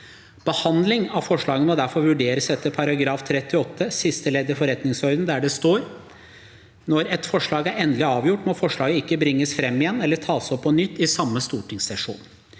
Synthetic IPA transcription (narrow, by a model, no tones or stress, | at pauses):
b̥əhɑnd̪lɪŋɑʋfɔʂɭɑːɡənmɔd̪æɾfɔɾʋʉɖeːɾəsɛt̪ːəpʰɑɾɑɡɾɑːft̪ʰɾɛt̪ːɪɔt̪ʰːəsɪst̪əleːd̪əfɔɾɛt̪nɪŋsɔɾd̪n̩d̪æɖɛst̪oːɾ | nɔɾɛt̪fɔʂɭɑːɡæɾɛnd̪lɪɑːʋjʊʈːmɔfɔʂɭɑːɡəɪkːəbɾɪŋːəsfɾɛmːɪjɛnːɛlːəʈʰɑːsɔpːɔnʏt̪ːɪsɑmːəst̪uːʈɪŋsɛʂṵːn